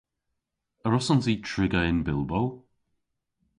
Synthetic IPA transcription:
əɹɔsɔnzitʰɹɪɡəɪnbɪlˠbow

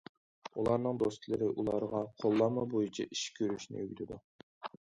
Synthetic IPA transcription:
ulˠɑɾnɨŋd̪ost̪ʰlˠɪɾɪʔulˠɑɾʁɑqʰolˠːɑmɑbojit͡ʃʰɑʔiʃkʲʰøɾyʃnɪ̰øɡʲyt̪ʰɪd̪u

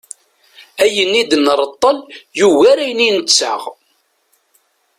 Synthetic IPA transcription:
æjənːid̪ənɾˤət̪ˤːəljuwæɾæjninət͡sːə̰ʁ

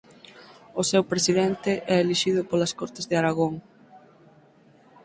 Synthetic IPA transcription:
ʊsewpɾesiðɛnt̪ɪʔɛeliʃiðʊpolɐskɔɾt̪ɪzðeaɾaɣ̞oŋ

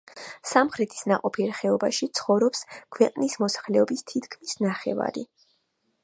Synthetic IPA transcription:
samχɾɛt̪ʰi̥snaqʼɔpʰiɾχɛɔbaʃit̪sʰχɔvɾɔpskʰwɛqʼnismɔsḁχlɛɔbist̪ʰit̪ʰkʰmisnaχɛva̰ɾḭ

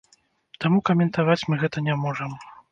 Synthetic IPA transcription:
t̪amukɐmʲɛnt̪avat͡sʲmɨɣɛt̪ɐnʲɛmɔʐɐm

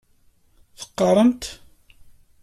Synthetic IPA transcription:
θə̥qːərˤəmt̪

